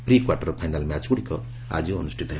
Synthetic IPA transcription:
prikwarʈʌrpʰajnalmjat͡suɽiko | a̰d͡zoːnusʈʰit̪ʌɦe

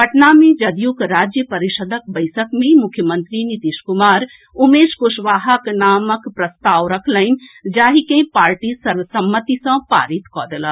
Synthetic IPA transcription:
pɐʈnamẽd͡ʒɐd̪ʱjukɾaːd͡ʒjəpɐɾiʃəd̪ʱək̚bɐɪsəkmẽmʊkʰjəmə̃nt̪ɾinit̪iːʃkʊmaːɾ | ʊmeːʃkoʃʋaːɦəknaːməkpɾɐst̪aːʋɾɐkʰləɪnd͡ʒaːɦikẽpaːɾʈisɐɾʋəsɐmːət̪isɐ̃pa̰ːɾit̪kɔːd̪ələ

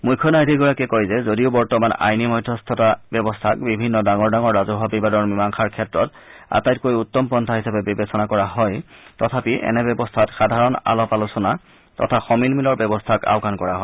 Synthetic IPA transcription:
mujkʰːjɔnajdʱiɡɔɹakɛkɔjzɛzodiʊbɔɹtɔmana̰jnimɔjdʱːɔstʰɔtabɛbɔstʰakbibʱinːɔdaŋɔɹdaŋɔɹːazɔɦɔbibadɔɹmimaŋxʰaɹkʰɛtɹɔt | a̰tajt̚kojutːɔmpɔntʰaɦisapɛbibesɔnakɔɹaɦɔjtːɔtʰapiʔɛ̰nɛbɛbɔstʰatxadʱaɹɔna̰lɔpalusɔna | tɔ̰tʰaxɔmilmilɔɹbjɛbɔstʰaka̰ʊkʰankɔɹaɦɔjj

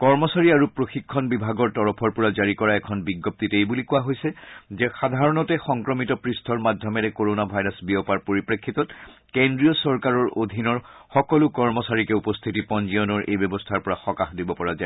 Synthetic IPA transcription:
kɔɹmɔsaɹiaɹupɹoxikʰːɔnbibʱaɡɔɹtɔɹɔpʰɔɹpɔɹazaɹikɔɹaɛkʰɔnbiɡːop̚titejbulikʊwaɦojsɛzɛxad̪ʱaɹɔnɔtɛxɔŋkɹɔmitɔpɹistʰɔɹmadʱjɔmɛɹɛkoɹonabʱajɹasbiɔpaɹpoɹipɹekʰːitɔt | kendɹijɔsɔɹkaɹɔɹod̪ʱinɔɹxɔkɔlʊkɔɹmɔsaɹikɛupɔst̪ʰitipɔnzijɔnɔɹʔḛjbjɔbɔstʰaɹpɔɹaxɔkaxdibɔpɔɹaza

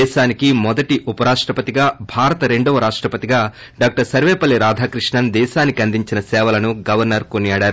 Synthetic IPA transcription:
ɛːʃaːnikimɔd̪ɐʈiʔupɐɾaːʂʈɾɐpɐt̪iɡaːbʱaːɾɐt̪ɐɾe̞ɳɖɐʋɐɾaːʂʈɾɐpɐt̪iɡaː | ɖaːk̚ʈɐɾsɐɾʋɛːpɐlːiɾaːd̪ʱaːkɾiʂɳɐnd̪ɛːʃaːnikiɐnd̪iɲt͡ʃinɐsɛːʋɐlɐnuɡɐʋɐɾnɐɾkonijaːɽaːɾu

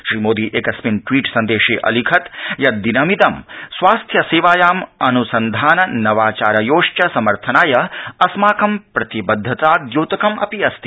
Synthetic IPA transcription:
ʃɾiːmoːd̪iːʔeːkɐsminʈʋiːʈsɐnd̪eːʂeːʔɐ̰likʰɐt̪jɐd̪inɐmit̪ɐmsʋaːst̪ʰjɐseːʋaːjaːmɐnusɐnd̪ʱaːnɐnɐʋaːt͡ʃaːɾɐjoːʂt͡ʃɐsɐmɐɾt̪ʰɐnaːjɐɐsmaːkɐmpɾɐt̪ibɐd̪ʱːɐt̪aːd̪joːt̪ɐkɐmɐ̰piɐst̪i̥

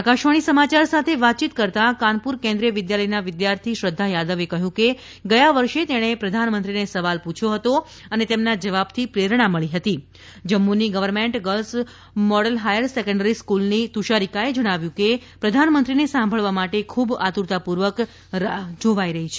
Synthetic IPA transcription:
akaʃʋəɽ̃isəmat͡ʃaɾsat̪ʰeʋat̪̚ːt͡ʃit̪kəɾt̪akanpuɾkẽnd̪ɾijəʋɪd̪jaləjnaʋɪd̪jaɾt̪ʰiʃɾəd̪ʱːajad̪əʋekəɦjũke | ɡəjaʋəɾʃet̪eɽ̃epɾəd̪ʱanmənt̪ɾinesəʋalpũt͡ʃʰjoɦət̪o | ənet̪emnad͡ʒəʋab̚t̪ʰipɾeɾɳ̃aməɭiɦət̪i | d͡ʒəmːuniɡəʋəɾmeɳʈɡəls | mɔɽəlɦajəɾsɛkə̃ɳɖəɾiskulnit̪uʃaɾikaed͡ʒəɽ̃aʋjũkepɾəd̪ʱanmənt̪ɾinesãmbʱəɭʋamaʈekʰubat̪uɾt̪apuɾʋək | d͡ʒoʋaiɾəɦit͡ʃʰe

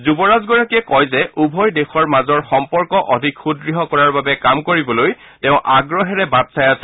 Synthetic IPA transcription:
zubɔɹazɡɔɹakiɛkɔjzɛʔubʱɔjdexɔɹmazɔɹxɔmpɔɹkɔʔɔdʱikʰxudɹiɦɔkɔɹaɹbabɛkamkoɹibɔloj | tɛʊ̃ʔaɡɹɔɦɛɹɛbadsajas

